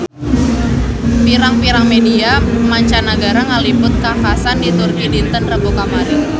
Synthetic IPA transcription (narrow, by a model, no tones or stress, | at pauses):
piɾaŋpiɾaŋmediamaɲt͡ʃanaɡaɾaŋalibʊt̪̚kafkasandit̪ʊrkidint̪ənrəbokamaɾɪn